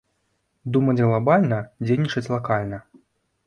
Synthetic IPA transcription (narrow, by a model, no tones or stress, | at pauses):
d̪umɐd͡zʲɣlˠabalʲnɐd͡zʲejnʲːit͡ʂɐt͡sʲlˠakalʲnɐ